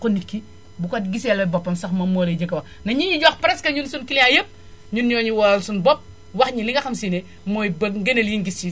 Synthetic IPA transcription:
konːit̚ki | bukatɡisɛlɐbopːɐmsɐxmɐmoːleɟɐkɐwɐ | nɐɲiɲiɟoxpɾeskɐɲunsunkilajəp̚ | ɲunːjoɲiwɔlalsunbop̚ | waxɲiliŋɡɐxɐmsine | mojbɐɡɐneljiŋɡist͡ʃi

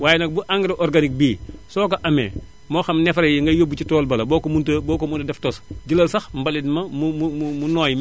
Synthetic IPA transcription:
waːjnɐk̚buʔaŋɡɾiʔoɾɡanik̚biːsoːkɐʔɐmḛː | moːxɐmnɛfɾɐjiŋɡɐjobut͡ʃitoːlbɐlɐboːkomuntɐboːkomuntɐdɛftosɟilɐlsɐxmbalidmɐmumumumunoːj

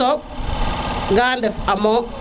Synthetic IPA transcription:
ɔ | ɡaːndɛfamɔ

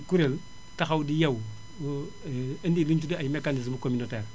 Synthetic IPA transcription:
kuɾel | taxawdijɐw | əndiluɲt͡ʃudiajmekanis̬mukominoteːɾ

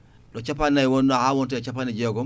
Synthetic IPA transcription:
lot͡ʃapanaiwonːahawont̬et͡ʃapanid͡ʒeoɡɔ

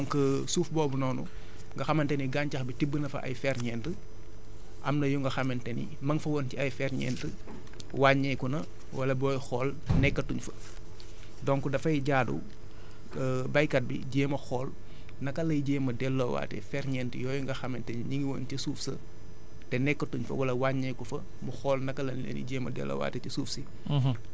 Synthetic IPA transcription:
ɔŋkəsuːfbɔːbunɔːnu | ŋɡɐxɐmɐntɛniɡancɐxbitibːənɐfɐ̰ʔɐ̰jfɛɾɲɛːntə | ʔɐmnɐjuŋɡɐxɐmɛntɛnḭ | mɐŋfɐwontiɐjfɛrɲɛ̰ntə | waɲɛjkunɐ | wɐlɐbɔːjxɔːl | nɛkːɐtuɲfɐ | dɔŋkudɐfɐjɟaːdṵ | bɐjkɐt̚bḭɟeːmɐxɔːl | nɐkːɐlɐjɟeːmɐdɛlːowa̰ːtɛ̰fɛɾɲɛntjɔːjuŋɡɐxɐmɛntɛniɲiŋɡiwoːntisuːfsɐ | tɛnɛkːɐtuɲfɐ̰wɐlɐwaɲɐjkufɐ | muxɔːlnɐkɐlɐnlḛːnḭɟeːmɐ̰dɛ̰lːo̰wa̰ːtɛtisuːfsi

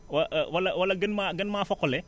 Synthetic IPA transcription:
wɐʔwɐlɐwɐlɐɡənmaɡənmaːfɔkɔlɛ

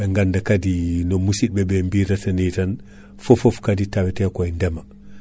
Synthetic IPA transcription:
eŋɡandakadinomusid̚bebembiɾatanitan | fofofkaditawitekojndɛma

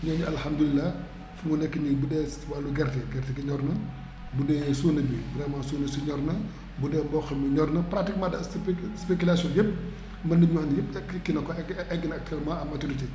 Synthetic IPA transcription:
ɲɔːɲiɐlhɐmd̪ulilːɐ | fuŋunɛkːiɲibudɛːswalːuɡɛrtɛɡɛrtikiɲɔrnɐ | budɛːsunɐbibrɛmaːsunɐsuɲɔrnɐ | budɛːbɔxɐmiɲɔrnɐpɾatik̚madɐspekulasɔnjep̚ | mbɐnːɐɲuɐnjɛpɛkikːinɐkɔɛɛɡːinɐk̚tʰɛlmɐɐmːɐtuɾiti

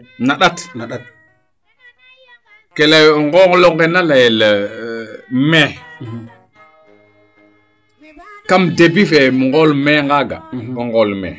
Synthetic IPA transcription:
naɗatn | kelajŋɡoŋloŋɡenalajel | me | kamdebifemŋɡolmeŋɡaɡa̰ɔŋɡolmɛ̰

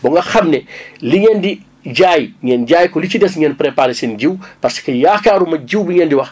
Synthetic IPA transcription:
bɔŋɡɐxɐmnɛliɲɛndi | ɟajŋɛnɟaːjkɔlicidɛsɲɛnpɾɛpaɾɛsinɟiwpɐrsi̥kɐjaːxkaːɾumɐɟiwbiɲɛndiwɐx

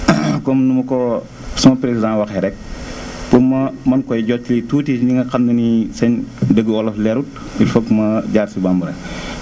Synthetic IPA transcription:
kɔmnumɐkɔ | sumɐpɾesidãwɐxɛɾɛk̚ | pumɐmɐnkɔjɟɔtilituːtiniŋɡɐxɐndənisɐɲdəɡːəɔlɐflɛɾut̚ | ifokmɐɟaːɾsibambɐɾɐ̰

